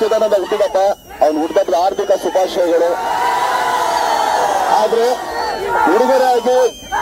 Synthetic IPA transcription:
ud̪aːnɐnɐɡst̪id̪ɐpːa | ɐʋɐnuɽd̪ɐʈɾaːɾt̪ʰikɐsupaːʃɐjɐɡɐɭu | aːd̪ɐɾe | uɽid̪ɐɾaːɡi

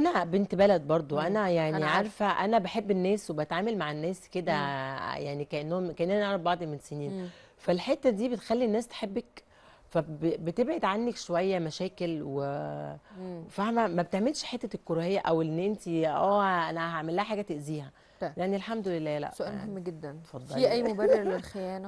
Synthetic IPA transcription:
ʔʔænæbent̪bælæd̪̚bɑɾˤd̪ˤoʔænæjaʕniʕaɾˤfæʔænæbeħebːenːæːswebæt̪ʕaːmelmaʕenːæːsked̪æjaʕnikæʔenːohomkæʔenːænːʔænæbɑʕd̪ˤimenseniːn | fælħet̪ːæd̪iːbet̪exælːinːæːst̪e̥ħebːek | fæbebet̪ebʕed̪ʕanːekʃowæjːæmæʃæːkelwe | fæhmæmæbet̪eʕmelʃħet̪ːækːoɾɑhejːæʔæwenːʔent̪iʔæːʔænæɦaʕmelːæhæħaːɡæt̪eʔziːhæ | leʔaʕnilħamd̪olelːæːlæ̰ʔsoʔæːlmohemːɡed̪ːænfɑd̪ˤːɑliʔæjːmobærːeɾlelxejæːnæ

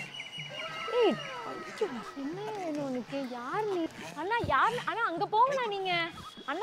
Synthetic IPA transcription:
eːʈɐ̰t͡ʃːɐsɛnːeʋeːnɯ̃ɔnːɯkːɯjaːɾniaːnːaːjaːɾnʔaːnãːɐŋɡɐpoːŋɡɐnaːniːŋɡɐ | ɐnːa

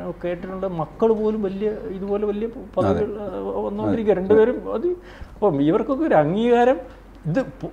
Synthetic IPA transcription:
kːeːʈːiʈːuɳɖɨmɐkːɐɭpo̞ːlumʋɐlijɐiðubo̞ːleʋɐlijɐpɐðɐɣiɭɐnːoːkiɾikʲːɐɾeɳɖɨpeːɾumɐ̰ðɨ | ɐpːɐmiʋɐrko̞kːeoɾɐŋːiːɣaːɾɐm | iðɨp

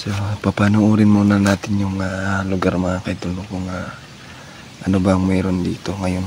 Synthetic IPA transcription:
sopɐpaːnoʔuːɾɪnmuːnɐnaːt̪ɪnjʊŋalʊɡaɾmɐŋakɐʔɪt̪ʊlokoŋa | ʔɐnobɐɐŋmɛːɾo̞nd̪iːt̪oŋɐjon

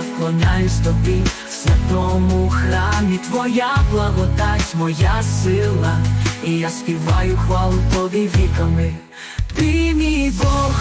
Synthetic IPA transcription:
klˠɔnʲajʊst̪ɔbʲi | sʋʲɐt̪ɔmʊxɾɑmʲit̪ʋɔjablˠɐɦɔd̪atʲmɔjasɪlˠɐijaspʲiʋajʊxʋalˠʊt̪ɔʋʲiʋʲikɐmɪ | t̪ɪmʲijbɔ

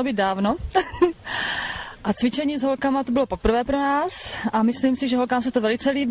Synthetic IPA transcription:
obiːd̪̚daːvno̞ | ʔat͡svɪt͡ʃɛɲiːzɦo̞lkamat̪ubɪlo̞po̞pr̩vɛːpɾonaːsʔamɪsliːmsɪʒɛɦo̞lkaːmsɛt̪ovɛlɪt͡sɛliːb

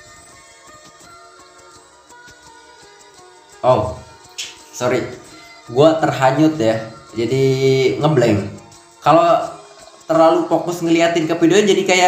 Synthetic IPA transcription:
o | soɾiɡuat̪ərɦaɲʊt̪jad͡ʒadiŋəblɛŋ | kalo | t̪ərlalupokʊsŋəliat̪ɪnkəpidond͡ʒadikaja

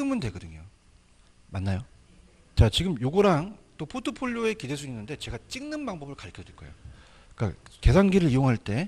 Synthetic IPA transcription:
ɯmɯndwe̞ɡʌdɯɲo | manːajo | t͡ɕat͡ɕiɡɯmjoɡoɾaŋt͈opʰotʰopʰoɭʎːoe̞kide̞s̬ʰuŋinːɯnde̞t͡ɕe̞ɡat͡ɕ͈iŋnɯnbaŋbʌbɯɭkaɭkʰʌd͡ʑwek͈oḛjo | k͈a̰ke̞sʰaŋɡiɾɯɭijoŋɦaɭt͈e̞

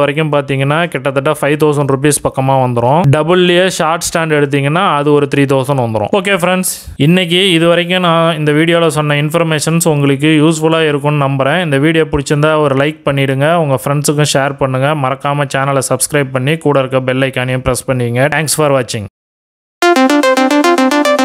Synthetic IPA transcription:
ʋɐɾɐk̬ʲːʊ̃mpaːɾt̪iːŋɡɐnːaːkɛʈːɐt̪ːɐʈːafɐɪʋt̪̬oːsɐɳɖɾʊp̬iːspɐkːɐmaːʋɐnd̪ɯɾõːɖɐbɯlːɪjɐʂaːɾʈsʈaːɳɖɛɽɯt̪̬ːiːŋɡɐnːaːɐðɯɔɾɯt̪ɪɾiːt̪̬oːsɐ̃nʋɐnd̪ɯɾõ̰oːk̬ːeːfɾɛɳɖs | ɪnːɛk̬ːiɪðɯʋɐɾɐk̬ʲːʊ̃nãːɪnd̪ɐʋiːɽɪjoːlɐsɔnːɐɪnfɔɾmeːʂɐnsʊŋɡɐɭɯk̬ːɯjuːsfʊlaːɪɾɯkːʊ̃nnɐmbɐɾɛ̃ːɪnd̪ɐʋiːɽɪjoːpʊɽɪt͡ʃːɐnd̪aːɔɾɯlɐɪk̚pɐɳːɪɽɯŋɡɐɐŋɡɐfɾɛɳɖsɯk̬ːʊ̃ʂeːɾpɐɳːɯŋɡɐmɐɾɐkːaːmɐt͡ʃaːnɐlsɐbskɾɐɪb̚pɐɳːikuːɽɐɾɯkːɐbɛlːɐɪkːaːnɪjɐ̃pɪɾɛspɐɳːɪɯŋɡɐʈaːŋksfaːɾʋaːt͡ʃːɪŋɡɐ

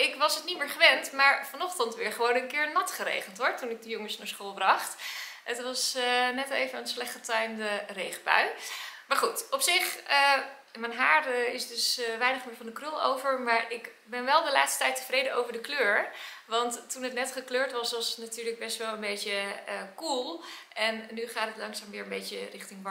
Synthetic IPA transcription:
ɪkʋɑsətnimɪːɹχəʋɛntmaːɹfɑnɔχtɑntʋɪːɹχəʋownənkɪːɹnɑtχəɾḛjχəntɦɔɹtunɪɡ̚dəjoŋəsnaːɹsχoːlˠbrɑχtətʋɑsnɛtlejvənənslɛχtətœɥmdərejχəpœ̰ɥmaːɹχutɔpsɪχə | mɛnɦaːɹɾəɪsdɵsʋɛjnəχmɪːɹvɑndəkrølˠo̰wvəɹmaːɹʔɪk | bɛnʋɛlˠdəlaːtstə̥tɛjtəvrejdəowvəɹdəkløːɹʋɑntːunətnɛtχəkløːɹtʋɑsʋɑsnatyːɹləɡ̚bɛstʋɛlˠənbejtəkulˠʔɛnːyχaːtətlɑŋsaːmʋɪːɹənbejtərɪχtɪŋb

